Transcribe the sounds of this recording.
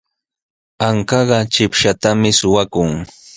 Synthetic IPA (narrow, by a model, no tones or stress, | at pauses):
aŋkɑɢɑt͡ʃɪpʃat̪amɪsʊwakʊŋ